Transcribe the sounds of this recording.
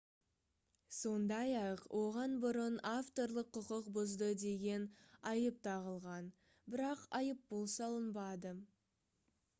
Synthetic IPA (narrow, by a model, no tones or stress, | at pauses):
so̞nd̪ɑjɑqwʔo̞ʁɑnbʊɾənaft̪o̞ɾlˠəqʰːʊqəqbʊzd̪əd̪e̞ɡʲe̞nɑjəp̚t̪ʰɑʁəlˠʁɑn | bɪɾɑqɑjəp̚bolˠsɑlˠənbɑd̪ə